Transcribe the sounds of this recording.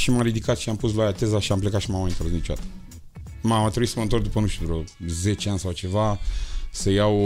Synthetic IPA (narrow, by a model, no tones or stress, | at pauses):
ʃimamɾid̪ikat̪ʃiampus̬loajat̪ezaʃiamplekat̪ʃimamaint̪oɾnit͡ʃoa̰t̪ | mamat̪ɾebuit̪səmənt̪o̞rt̪d̪upənuʃt̪ud̪uɾəze̞t͡ʃeanʲsawt͡ʃe̞vasəjaw